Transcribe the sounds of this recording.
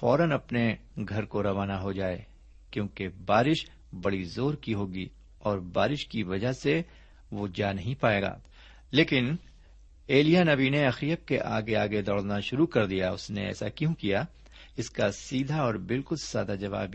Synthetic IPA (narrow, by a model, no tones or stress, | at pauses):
fɔːɾənɐpneɡʱɐɾkoɾɐʋaːnaɦod͡ʒaːḛː | kjõːkebaːɾɪʃ | bɐɽizoːɾkiɦoːɡiː | ɔːɾbaːɾɪʃkiʋɐd͡ʒaɦse | ʋod͡ʒaːnɐɦĩpaːeːɡa̰ː | leːkɪn | eːlijanɐbineɐxɾijəp̚keʔa̰ːɡeaːɡed̪ɔːɽnaʃʊɾukɐɾd̪ijaʊsnḛɛ̰ːsa̰kjõkija | ɪskasiːd̪ʱaɔːɾbɪlkʊlsaːd̪ad͡ʒɐʋa̰ːb